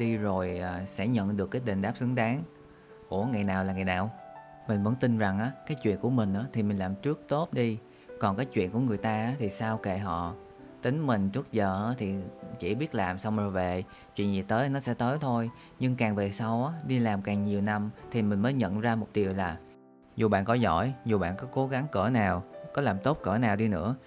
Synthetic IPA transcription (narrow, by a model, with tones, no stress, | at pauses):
ɗi˧zo˨˩jʔːsɛ̰˧˥ɲə̰˧˨nɗɨ˨˩əkːaː˨˦jɗi˨˩n̟ɗaː˦˥p̚sɨ˨˦ŋɗaː˨˦ŋ | ʔu˧˩əŋa˨˩jnaː˨˩wlaː˨˩ŋa˨˩jnaː˨˩w | mï˨˩ŋ̟və̰˧˥nt̪i˧nza˨˩ŋʔaː˨˦kaː˨˦jt͡ɕwḭ˧˨ənku˧˩əmï˨˩ŋ̟ʔaː˨˦t̪ʰi˨˩mi˨˩ŋ̟laː˨˩mt͡ɕɨ˦˥ək̚t̪o˦˥t̚ɗi˧ | kɔ˨˩nkaː˨˦jt͡ɕwḭ˧˨nku˧˩əŋɨ˨˩əjt̪aː˧ʔaː˨˦t̪ʰi˨˩saː˧wke˧˨˩ɦɔ̰˧˨ | t̪ï˨˦ŋ̟mï˨˩ŋ̟t͡ɕɨ˦˥ət̚zəː˨˩ʔːt̪ʰi˨˩t͡ɕḭ˧˩ɓi˦˥ət̚laː˨˩msa˧wŋ͡mzo˨˩jve˨˩ | t͡ɕwḭ˧˨ənzḭ˨˩t̪əː˨˦jnɔ˨˦sɛ̰˧˥t̪əː˨˦jt̪ʰo˧j | ɲɨ˧ŋkaː˨˩ŋve˨˩sa˧wʔaː˨˦ɗi˧laː˨˩mkaː˨˩ŋɲi˨˩əwna˧mt̪ʰi˨˩mï˨˩ŋ̟məː˨˦jɲə̰˧˨nzaː˧mo˨˩t̚ɗi˨˩əwlaː˨˩ | zu˨˩ɓa̰ː˧˨nkɔ˨˦zɔ̰˧˥˩jzu˨˩ɓa̰ː˧˨nkɔ˨˦ko˨˦ɣa˨˦ŋkəː˧˩naː˨˩wkɔ˨˦laː˨˩mt̪o˦˥p̚kə̰ː˧˩naː˨˩wɗi˧nɨ̰˧˥ə